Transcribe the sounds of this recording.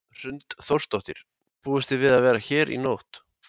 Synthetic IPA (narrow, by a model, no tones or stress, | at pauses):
r̥ʏnt̪θowr̥st̪oht̪ɪɾ̥ | puːðʏst̪ɪvɪðaðvɛːɾaçɛːɾʔḭnowht̪